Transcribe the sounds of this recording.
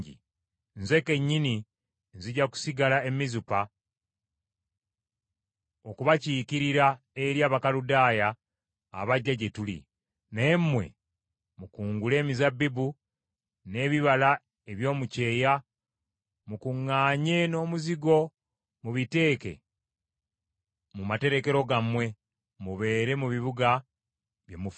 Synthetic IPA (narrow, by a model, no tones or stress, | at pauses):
ḭ | nze̞ke̞ɲːini | nziɟaku̥siɡalae̞mizupa | okuβaciːkiɾiɾa | eɾjaːβakaludaːja̰ː | βaɟːaɟe̞tulḭ | naemːwe̞̰ | mukuːŋɡule̞ːmizabːibu | ne̞ːβiβala | eβjo̞ːmuce̞ːja | mukuŋːaːɲe̞no̞ːmuziɡo̞ | muβite̞ːke̞̰ | mumate̞ɾe̞ke̞ɾo̞ɡamwe̞ | muβe̞ːɾe̞muβiβuɡa | βjemuf